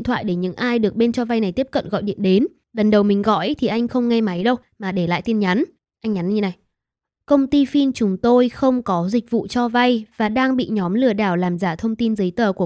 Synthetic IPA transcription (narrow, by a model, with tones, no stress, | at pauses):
nt̪ʰwa̰ː˧˨jɗe˧˩ɲɨ̰˧˥ŋʔaː˧jɗɨ˨˩ək̚ɓe˧nt͡ɕɔ˧va˧jna˨˩jt̪i˦˥əp̚kə̰˧˨nɣɔ̰˧˨jɗḭ˧˨ənɗe˨˦n | lə˨˩nɗə˨˩wmï˨˩ŋ̟ɣɔ̰˧˨jt̪ʰi˨˩ʔa˧jŋ̟xə˧wŋ͡mŋa˧jma˨˦jɗə˧w | maː˨˩ɗe˧˩la̰ː˧˨jt̪i˧ənɲa˨˦n | ʔa˧jŋ̟ɲa˨˦nɲɨ˧na˨˩j | kə˧wŋ͡mt̪i˧fi˧nt͡ɕʊ˨˦ŋ͡mt̪o˧jxə˧wŋ͡mkɔ˨˦zï˨˩k̚vṵ˧˨t͡ɕɔ˧va˧jvaː˨˩ɗaː˧ŋɓḭ˧˨ɲɔ˨˦mlɨ˧˩əɗaː˧˩wlaː˨˩mzaː˧˩t̪ʰə˧wŋ͡mt̪i˧nzɨː˨˦jt̪əː˨˩ku˧˩ə